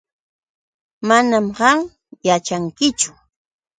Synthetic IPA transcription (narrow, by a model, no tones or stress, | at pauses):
manamɢɑŋ | jat͡ʃaŋkɪt͡ʃʊ̥